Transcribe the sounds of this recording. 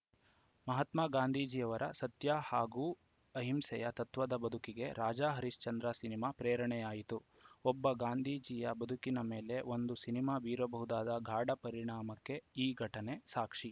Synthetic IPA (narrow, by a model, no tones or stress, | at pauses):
mɐɦɐt̪maːɡaːnd̪ʱiːd͡ʒijɐʋɐɾʔɐ̰sɐt̪jaːhaːɡuː | ɐɦimsɛ̰jɐt̪ɐt̪ʋɐd̪ɐbɐd̪ʱukiɡe̞ɾaːd͡ʒaːɦɐɾiʂt͡ʃɐnd̪ɾasinimaːpɾeːɾɐɳɛjaːjit̪u | ɔbːɐɡaːnd̪ʱiːd͡ʒijɐbɐd̪ʱukinɐmeːle̞o̞nd̪usinimaːʋiːɾɐbɐɦud̪aːd̪ɐɡʱaːɽɐpɐɾiɳaːmɐkːe̞iːɡʱɐʈɐne̞saːkʂi